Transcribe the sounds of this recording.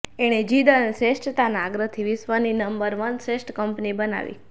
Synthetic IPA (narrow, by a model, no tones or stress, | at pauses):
eɽ̃ed͡ʒid̪ənesesʈət̪anaːɡɾət̪ʰiʋɪsʋaninəmbəɾʋənsesʈkəmpnibəna̰ʋḭ